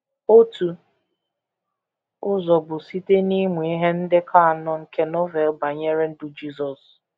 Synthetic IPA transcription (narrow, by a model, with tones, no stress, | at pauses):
o˦tu˨ | ʊ˦zɔ˨bʊ˨si˦te˦ni˦me˨i˦ɦe˦n̩˦dɪ˦kʰa˦a˨nɔ˦ŋ̩˨ke˨nɔ˦ve˨lba˨ɲe˦ɾe˦n̩˦dʊ˨d͡ʒi˦zɔ˨s